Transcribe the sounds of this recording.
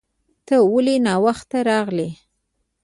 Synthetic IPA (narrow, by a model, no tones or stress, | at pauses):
t̪əwəlenɑwaxt̪ːaɾɑɣle